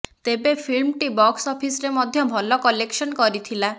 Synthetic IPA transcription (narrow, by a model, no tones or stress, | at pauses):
t̪ebepʰilmʈibɔksɔpʰisɾemɔd̪ʱjɔbʱɔlɔkɔleksɔnkɔɾit̪ʰila